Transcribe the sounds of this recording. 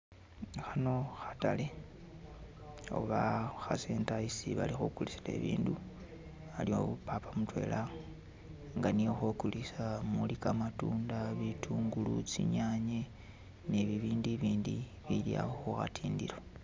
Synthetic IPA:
xano̞xḁtale | o̰βaxaseːntaisiβa̰lixukulisile̞̰βḭːndu | alio̞βupapamutwe̞̰la | ŋɡanijoxokulisamulikamatuːndaβitʰuːŋɡulut͡siɲaɲe | neβiβiːndiβiːndi | βilja̰hoxuxa̰tʰiːndiɾo

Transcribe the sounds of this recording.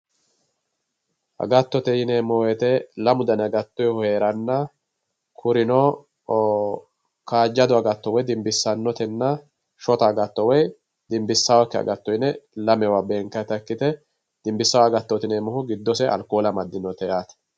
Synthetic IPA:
ʔɐ̰ɡɐt̪ːɔt̪ɛjɪnɛmɔwɛt̪ɛlɐmʊd̪ɐnɐɡɐt̪ːɔjhɔhe̞ːɾɐnːɐ | kʰʊɾɪnɔ | kaːd͡ʒːɐd̪ʊɐɡɐt̪ːɔwɔjd̪ɪmbɪsːɐnːɔt̪ɛnːɐ | ʃɔt̪ɐːɡɐt̪ːɔwɔj | d̪ɪmbɪsːɐwakːɛɐ̰ɡɐt̪ːɔjɪnɛlɐmɛwabeːŋkːɐt̪ɐkːɪt̪ɛ | d̪̥ɪmbɪsːɐwaɐɡɐt̪ːɔt̪ɪnɛmɔhʊɡɪd̪ːɔsɛɐ̰lkoːlɐmɐd̪ːɪnɔt̪ɛjaːt̪ɐ̥

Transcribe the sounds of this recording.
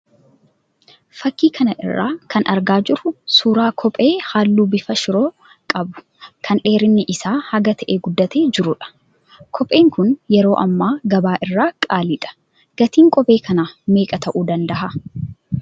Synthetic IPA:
fɐkːiːkʰɐnɐʔɪ̰rːa̰ːkʰɐnʔɐ̰ɾɡaːd͡ʒɪɾʊsuːɾaːkʰɔpʼe̞ːhaːlːuːbɪfɐʃɪɾo̞ː | kʼɐbʊ̥ | kʰɐnᶑe̞ːɾɪnːɪʔɪsaːhɐɡɐt̪ʰɐʔeːɡʊd̪ːɐt̪eːd͡ʒɪɾʊᶑɐ̥ | kʰɔpʼe̞ːŋkʊnjɛɾo̞ːʔɐmːaːɡɐbaːʔɪrːaːkʼaːlɪᶑ̪ʼɐ̥ | ɡ̥ɐt̪iːŋkʼɔpʼe̞ːkʰɐnaːme̞ːkʼɐt̪ɐʔuːd̪ɐnd̪ɐɦa

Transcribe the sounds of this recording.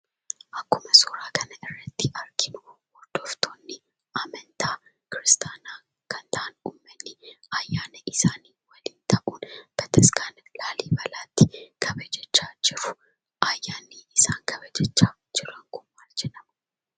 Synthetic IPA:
ʔɐkːʊmɐsoːɾaːkʰɐnɐʔɪrːɐt̪ːɪʔɐɾkɪnʊwɔd̪̥oft̪ʰoːnːɪ | ʔamɐnt̪ʰaː | kɪɾɪst̪ʰaːnaː | kʰɐnt̪ʰɐʔːnuːmːɐnːɪajːaːnɐʔɪsaːniːwɐlɪnt̪ʰɐʔuːnb̥ɐt̪ʰɐskaːnlaːliːbɐlaːt̪ːɪkʰɐbɐd͡ʒɛt͡ʃːaːd͡ʒɪɾʊ | ʔajːaːnːiːɪsaːŋkʰɐbɐd͡ʒɛt͡ʃːaː | d͡ʒɪɾɐŋkʊmːaːld͡ʒɛnɐmɐ

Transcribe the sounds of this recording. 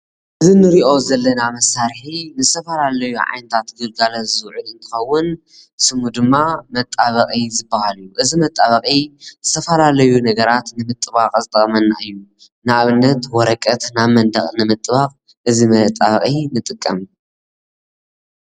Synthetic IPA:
ʔɨzinɨɾiʔo̞zɐlːɐnamɐsaɾħinɨzɨt̪ʰɐfɐlalɐjuʕa̰jnɨt̪ʰat̪ɡɨlɡalɐzɨwʕulɨnt̪ʰɨ̥xɐwːʊn | sɨmud̪ɨmːamɐt̪ʼːaβɐχʼizɨbːahaljːuʔɨzimɐt̪ʼːaβɐχʼizɨt̪ʰɐfɐlalɐjunɐɡɐɾat̪nɨmɨt̪ʼːɨβaqʼzɨt̪ʼɐχʼmɐnːa̰ʔɨjːu | naʔaβɨnːɐt̪wɔɾɐkʼɐt̪naβmɐnd̪ɐχʼnɨmɨt̪ʼɨβaqʼ | ʔɨzimɐt̪ʼaβɐχʼinɨt̪ʼɨkʼːɐm

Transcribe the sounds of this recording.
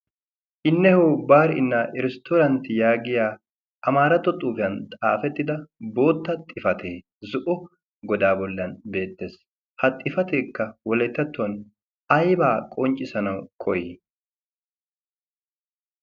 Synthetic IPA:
ʔɪnːɛhoːbaːɾɪnːaʔɪɾɛst̪oːɾɐnt̪ɪjaːɡɪjaː | ʔɐmaːɾɐt̪ːɔt̪ʼuːfɪjɐnt̪ʼaːfɛt̪ːɪd̪ɐbo̞ːt̪ːɐt̪ʼːɪfɐt̪ʰeː | zʊʔʊ | ɡɔd̪aːbɔlːɐnbe̞ːt̪ːe̞ːs | hɐt̪ʼːɪfɐt̪e̞ːkːɐwɔlɛt̪ːɐt̪ːʊɐn | ɐjbaːkʼɔnt͡ʃʼːɪsɐnɐwkʰɔjeː

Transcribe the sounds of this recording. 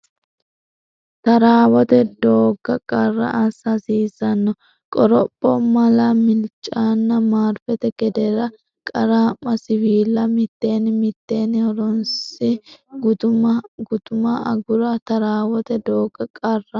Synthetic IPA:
t̪ɐɾaːwɔt̪ɛd̪o̞ːɡːɐkʼɐrːɐ̰ʔɐsɐsiːsɐnːɔ | kʼɔɾɔpʼːɔmɐlɐmɪlt͡ʃʼːaːnːɐmaːɾfɛt̪ɛɡɛd̪ɛɾɐ | kʼɐɾaːmːɐsɪwiːlːɐmɪt̪ːe̞ːnɪmɪt̪ːe̞ːnɪhɔɾɔnsɪɡʊʊɡʊt̪ʊmɐɐɡʊɾɐt̪ɐɾaːwɔt̪ɛd̪o̞ːɡːɐkʼɐrːɐ

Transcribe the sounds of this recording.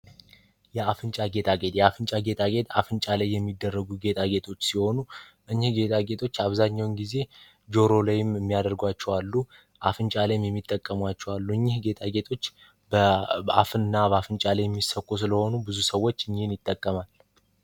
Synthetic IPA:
jɛafɨnt͡ʃʼaɡe̞t̪ʰʼaɡe̞t̪jɛafɨnt͡ʃʼaɡe̞t̪ʼaɡe̞t̪afɨnt͡ʃʼalajːɛmːid̪ːərːəɡuɡe̞t̪ʼaɡe̞t̪ʰʼo̞t͡ʃːsiho̞nu | ʔɨɲːɪhɡe̞t̪ʼʰaɡe̞t̪ʰo̞t͡ʃːaβzaɲːawnɡize̞ | d͡ʒo̞ɾo̞lajɪmɨmːijad̪əɾɡwat͡ʃːɛwalːu | ʔafɨnt͡ʃʼalajmjɛmːit̪ʼːəkʼːəmwat͡ʃːɛwalːuɨɲːɪhɡe̞t̪ʰʼaɡe̞t̪ʰʼo̞t͡ʃː | ba̰fɨnɨnːabəafɨnt͡ʃʼalajɛmːisəkʼːus̬ɨləho̞nubɨzusəwːo̞t͡ʃːɨɲːinjɪt̪ʼːəkʼːəmal

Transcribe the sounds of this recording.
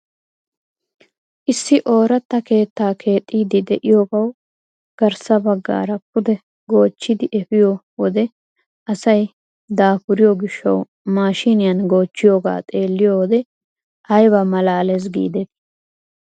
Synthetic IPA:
ʔɪsːɪʔo̞ːɾɐt̪ːɐke̞ːt̪ːaːkʰe̞ːt̪ʼːiːd̪ɪd̪ɛʔɪjoːɡɐw | ɡ̥ɐɾsɐbɐɡːa̰ːɾɐpʊd̪ɛ | ɡo̞ːt͡ʃːɪd̪ɪʔɛfɪjo | wɔd̪ɛ | ʔɐsɐj | d̪aːpʊɾɪjoɡɪʃːɐ̰w | maːʃɪnɪjɐnɡo̞ːt͡ʃːɪjoːɡa̰ːt̪ʼe̞ːlːɪjowɔd̪ɛ | ɐjbɐmɐlaːlɛs̬ɡḭːd̪ɛt̪

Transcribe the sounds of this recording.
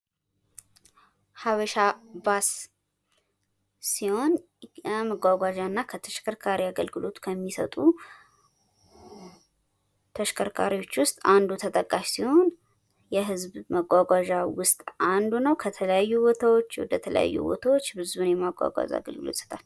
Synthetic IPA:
haβəʃabas | iho̞n | məɡʷaɡʷaʒanːakʰət̪ʰəʃkʰəɾkʰaɾiaɡəlɡɨlo̞t̪kʰəmːisə̰t̪ʼu | t̪ʰəʃkʰəɾkʰaɾiwo̞t͡ʃːwʊst̪ʼand̪ut̪ʰət̪ʼəkʼːaʃsiho̞n | jɛɦɨzbməɡʷaɡʷaʒawʊst̪ʼʔand̪unəwkʰət̪ʰələjajːubot̪ʰawo̞t͡ʃːwɔ̰d̪ət̪ʰələ̰ja̰jːṵbo̰t̪ʰawo̞t͡ʃːbɨzuunjɛmaɡʷa̰ɡʷa̰ʒa̰ɡə̰lɡɨlot̪ʼsə̥t̪ʰal

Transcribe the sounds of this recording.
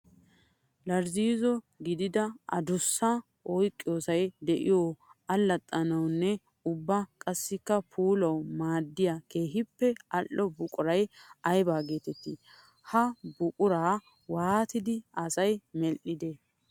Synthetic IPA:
lɐɾziːzɔ | ɡɪd̪ɪd̪ɐɐ̰d̪ʊsːɐ | ʔɔjkʼːɪjo̞ːsɐjd̪ɛʔɪ̰joɐlːɐt̪ʼːɐnɐwnːɛ | ʊbːakʼɐsːɪkːɐpʰuːlɐwmaːd̪ːɪjakeːɦɪpːɛɐlːɔbʊkʼʊɾɐjɐjbaːɡe̞ːt̪ɛt̪ːɪ | hɐbʊkʼʊɾaː | waːt̪ɪd̪ɪɐsɐjmɛlʔːɪd̪ɛ

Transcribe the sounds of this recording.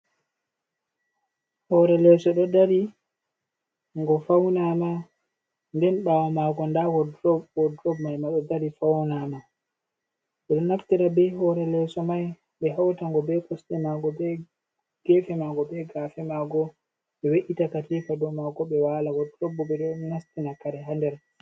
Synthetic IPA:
hɔɾɛlɛsɔɗɔdaɾi | ŋɡɔfawnama | ndɛnɓawamaɡɔndawɔdɔɔdɾɔbmajmaɗɔdaɾifawnama | ɓɛɗɔnaktiɾabɛhɔɾɛlɛsɔmaj | ɓɛɦawtaŋɡɔbɛkɔstɛmaɡɔbɛ | ɡ̥ɛfɛmaɡɔbɛɡafɛmaɡɔ | ɓɛweʔitakatifadɔmaɡɔɓɛwaːlawɔdɾɔbːɔɓɛɗɔnastinakaɾɛɦandɛɾ

